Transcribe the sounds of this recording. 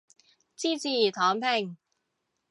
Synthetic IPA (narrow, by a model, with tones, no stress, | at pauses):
t͡siː˥t͡siː˨˩t̪ʰɔː˨˥ŋpʰe˨˩ŋ